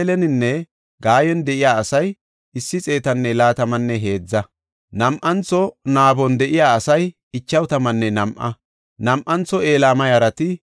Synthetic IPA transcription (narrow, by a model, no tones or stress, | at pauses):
lɛnɪnːɛ | ɡaːjɛnd̪ɛʔɪjaːɐsɐj | ɪsːɪt͡sʼe̞ːt̪ɐnːɛlaːt̪ɐmɐnːɛɦe̞ːd͡zːɐ | nɐmʔɐnt͡sːɔnaːbɔnd̪ɛʔɪjaːɐsɐj | ɪt͡ʃːɐwt̪ɐmɐnːɛnɐmʔɐ | nɐmʔɐnt͡sːɔe̞ːlaːmɐjɐɾɐt̪ɪ